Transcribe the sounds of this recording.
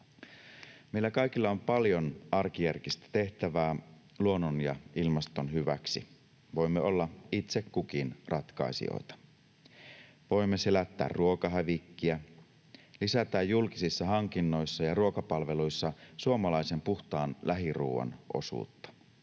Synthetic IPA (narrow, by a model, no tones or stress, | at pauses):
meilːækɑikilːɑompɑljonɑrkijærkist̪æ̥t̪e̞ht̪æʋæː | luo̞nːonjɑilmɑst̪o̞nhyʋæksḭ | ʋo̞jmːeo̞lːɑit̪sekkukinrɑt̪kɑ̰isḭo̰it̪ɑ̥ | ʋo̞jmːese̞læt̪ːæ̰ːrruo̞kɑɦæʋikːiæ | lisæt̪æːjːulkisisːɑɦɑŋkinːojsːɑjɑruokɑpɑlʋe̞lujsːɑsuomɑlɑisempuxt̪ɑːnlæɦirṵːʋɑ̰nʔo̞̰sṵːt̪ːɑ̥